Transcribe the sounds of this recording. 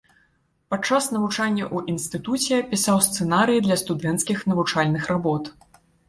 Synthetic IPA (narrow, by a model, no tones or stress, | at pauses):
pat͡ʂːasnɐvut͡ʂanʲːɐʔuʔinst̪ɨt̪ut͡sʲɛpʲisawst̪sɛnaɾɨjid̪lʲɐst̪ud̪ɛnt̪skʲixnɐvut͡ʂalʲnɨxrabɔt̪